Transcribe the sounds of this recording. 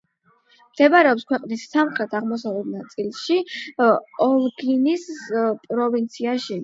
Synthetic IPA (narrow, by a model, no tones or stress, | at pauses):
md̪̥ɛvaɾɛɔpskʰwɛqʼnisːamχɾɛt̪ʰaʁmɔs̬avlɛb̪nat̪sʼilˠʃi | ɔlˠɡinispʼɾɔvint̪sʰiaʃi